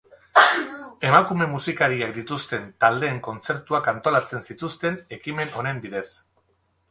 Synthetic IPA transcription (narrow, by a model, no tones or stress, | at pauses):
e̞makume̞musikaɾiakd̪it̪ust̪e̞nt̪ald̪e̞ːŋko̞nt͡se̞ɾt̪uakant̪o̞lat͡se̞nsit̪ust̪e̞ne̞kime̞no̞ne̞mbiðe̞s